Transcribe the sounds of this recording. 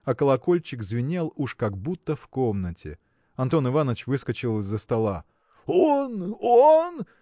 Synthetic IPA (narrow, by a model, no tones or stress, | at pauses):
ɐkəlˠɐko̞lʲt͡ɕɪkzvʲɪnʲelˠuʂkaɡ̚but̪ːəfko̞mnətʲɪ̰ | ɐnt̪o̞nɨvanəvt͡ɕvɨskət͡ɕɪlˠɨzːəst̪ɐlˠa | onon